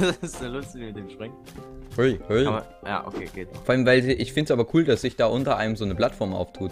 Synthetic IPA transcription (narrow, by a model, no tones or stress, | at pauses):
snəlʊstdiːmɪt̚d̥eːmʃpʁ̥ɪŋt | hʊihʊiaːɐ̰ | ja̰ːʔo̰kʰeːɡ̥eːtfɔɐaləmvaɪlʔɪçfɪndəsʔaːbɐkʰuːldasz̥ɪçd̥aːʔʊntɐʔa̰ɪnəmzoːnəpl̥atfɔɐmʔa̰ʊftʰuːt